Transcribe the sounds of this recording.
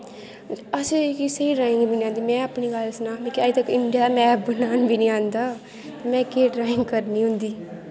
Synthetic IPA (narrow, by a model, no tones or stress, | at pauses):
əsekisəiːɖɾaːɪ̃ŋɡbiːnĩːãːnd̪iːmɛ̃ːapniːɡəlsnaːmĩːkaːit̪əkɪɳɖijaːmɛːp̚bənaːnbiːnĩːãːnd̪aː | t̪aːmɛ̃ːkeːʈɾaːɪ̃ŋɡkəɾnĩːɦʊ̃nd̪iː